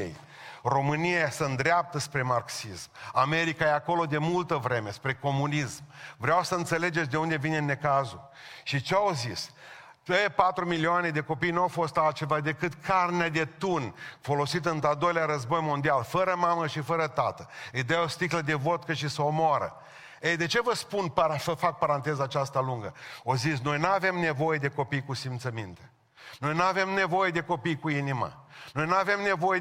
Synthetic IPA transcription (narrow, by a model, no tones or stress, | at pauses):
ḛj | ro̞mɨnijasənd̪ɾeap̚t̪əspɾe̞marksismame̞ɾikajeako̞lo̞d̪e̞mult̪əvɾe̞me̞spɾe̞ko̞munismvɾeawsəɨnt̪se̞le̞d͡ʒes̬ʲd̪e̞und̪e̞vinenːe̞kazu | ʃit͡ʃeawzis | əpat̪ɾumilioane̞d̪e̞ko̞pijnuawfo̞st̪alt̪̚t͡ʃe̞vad̪e̞kɨt̪kʰarnead̪e̞t̪unfo̞lo̞sit̪ɨnt̪ad̪o̞jleaɾəzbo̞jmo̞nd̪ialfəɾəmaməʃifəɾət̪a̰t̪əid̪eaost̪ikləd̪e̞vo̞t̪kəʃ̬isəomoaɾə̰ | ejd̪e̞t͡ʃe̞vəspunpfəfak̚paɾant̪e̞zaːt͡ʃast̪aluŋɡəozitsno̞jnuave̞mne̞vo̞je̞d̪e̞ko̞pijkusimt̪səmint̪e | no̞jnuave̞mne̞vo̞je̞d̪e̞ko̞pijkuinima̰no̞jnuave̞mne̞vo̞je